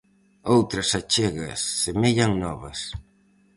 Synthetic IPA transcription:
owt̪ɾɐsat͡ʃeɣɐ̰sːemeʎaŋnɔβɐs

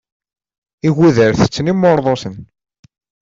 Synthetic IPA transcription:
iɣuðəɾθə̥t͡sːnimːoɾðˤosən

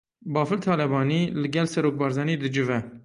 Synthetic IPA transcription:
bɑːfɨlt̪ʰɑːlɛbɑːniːlɨɡɛlsɛɾoːk̚bɑːɾzɑːniːd̪ɨd͡ʒɨvɛ

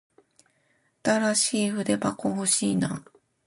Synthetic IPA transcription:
at̪aɾaɕiːɸɯ̟d̪e̞bakoɦoɕiːna̰

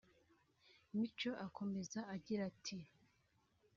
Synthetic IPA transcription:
mit͡ʃo̞ʔakʰo̞me̞zaaɟiɾatʰi

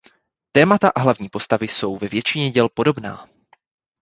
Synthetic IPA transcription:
t̪ɛːmat̪aʔaɦlavɲiːpo̞st̪avɪso̞wvɛvjɛt͡ʃɪɲɛɟɛlpo̞do̞bna̰ː

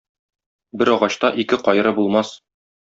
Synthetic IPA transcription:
bɘɾɒʁɑɕt̪ɑʔikɘqɒj̆ɾɤbulˠmɑs

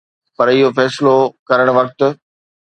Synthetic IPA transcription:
pɐɾɪɦofɛːsɪlokɐɾəɽ̃ʋɐk̚t̪̆

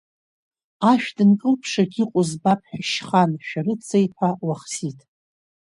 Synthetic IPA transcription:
aʃᶣdɨnkʼɨlpʰʂaɡʲiqʷʼʊzbapʰħᶣaʃχanʃᶣarɨt͡sʰejpʰawaχsitʰʼ

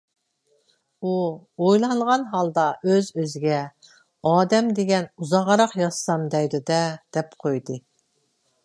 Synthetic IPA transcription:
uojlˠɑŋʁɑnɦɑlˠd̪ɑʔøzøzɪɡʲɛ | ɑːd̪ɛmd̪eɡʲɛnuzɑʁɑɾɑqjɑssɑmd̪ɛjd̪ud̪ɛd̪̥ɛpqʰojd̪ɨ

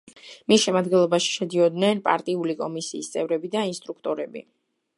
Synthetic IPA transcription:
misʃɛmad̪ɡɛnlˠɔbaʃi̥ʃɛd̪iɔd̪nɛnpʼa̰ɾt̪ʼiulikʼɔmisiːst̪sʼɛvɾɛbid̪ainst̪ʼɾuk̚ʰt̪ʼɔɾɛbḭ

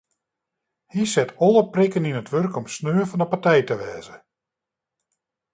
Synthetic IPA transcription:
hisɪtʰɔlˠəprɪkəninətʋørkɔmsnøːəfɑnəpartɛjtəʋɛːzə

